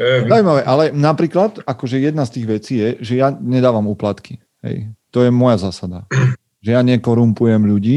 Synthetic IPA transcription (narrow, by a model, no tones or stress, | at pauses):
aujmaʋɛʔalɛnapɾiːklat̪akɔʒɛjɛd̪̚nast̪iːɣʋɛt͡siːjɛʒɛjaɲɛd̪aːʋamuːplat̪ki | ɦɛ̰jt̪ɔjɛmɔjazaːsad̪a | ʒɛjaɲɛkɔɾumpujɛmʎuɟiː